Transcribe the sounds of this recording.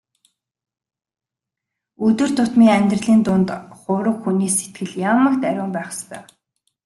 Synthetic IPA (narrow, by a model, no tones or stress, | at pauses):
ɵt̪ɵ̆r̥t̪ʰʊt̪miːŋæmʲt̪rə̆ɮiːnt̪ʊnt̪χʊːɾə̆kxuniːset̪̚ɡɘ̆ɮjamə̆kt̪æɾʲʊːmpæːχə̥st̪ʰœ̰ː